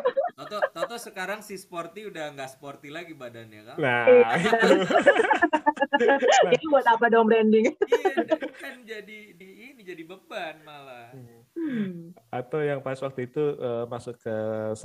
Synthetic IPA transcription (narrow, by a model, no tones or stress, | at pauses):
t̪ɔt̪ɔt̪ɔt̪ɔsəkaɾaŋsisport̪iudahŋɡaʔsə̥port̪ilaɡibadanja̰kanaa | d͡ʒadibuat̪apadaambɾɛndɪŋ | kand͡ʒadidiːnid͡ʒadibəbanmala | at̪awjaŋpaswak̚t̪uit̪uəmasʊkəs